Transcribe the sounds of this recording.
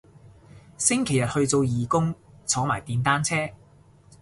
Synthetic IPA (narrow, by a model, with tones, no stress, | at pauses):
sɪ˥ŋkʰe˨˩jɐ˨t̚hɵ˧ɥt͡so˧wjiː˨kʊ˥ŋt͡sʰɔː˨˥maː˨˩jt̪iː˨˧nt̪aː˥nt͡sʰɛː˥